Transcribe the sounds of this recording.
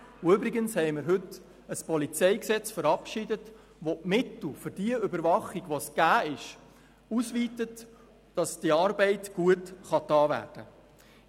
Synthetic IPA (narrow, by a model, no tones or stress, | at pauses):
ʊʏbɾiɡənshɛɪmɪɾɦɵt | əspɔlit͡sɛɪksɛt͡sfəɾɑpʃɪdət | ʋomɪtl̩ˠfʏɾd̥iəʏbəɾvɑχiɡʋosɡ̥æːɪʃ | usʋiːtət | d̥ɑsd̥iɑːɾbɛɪtɡ̥uətχɑtɑːvæ̰ːrd̥ə